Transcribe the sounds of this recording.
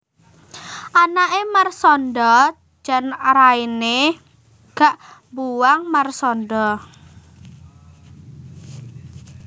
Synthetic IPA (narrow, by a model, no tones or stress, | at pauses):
ʔanaʔemarsɔnɖɔ̥ | d͡ʒ̥a̤nraine | ɡ̥aʔmbuwaŋmarsɔnɖɔ